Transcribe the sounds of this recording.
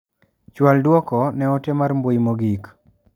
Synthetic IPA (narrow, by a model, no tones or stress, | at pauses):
t͡ʃwaldwɔkɔnɛɔtemarmbojmoɡik